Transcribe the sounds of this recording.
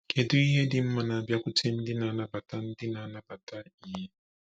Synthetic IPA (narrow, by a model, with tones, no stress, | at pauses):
kʰe˨du˦i˦ɦe˦di˦m̩˦ma˦na˨bja˦ku˦tʰe˦m̩˦di˦na˨˦na˨ba˨ta˦n̩˦di˦na˨˦na˨ba˨ta˦i˦je˦